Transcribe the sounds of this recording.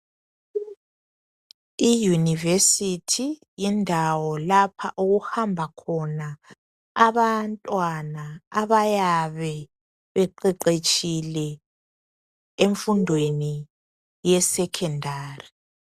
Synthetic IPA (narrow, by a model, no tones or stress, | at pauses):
ijunivesitʰijindʱawɔlapʰaʔuɣuhambʱakʰɔnaː | βantʼwanaːβajaβɛ | βɛǃɛǃet͡ʃʼilɛ | eɱfundʱweni | jɛsɛkʰɛndʱaːri